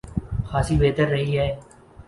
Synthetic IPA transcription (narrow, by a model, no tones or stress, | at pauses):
xaːsibeːt̪əɾːəɦiɦɛː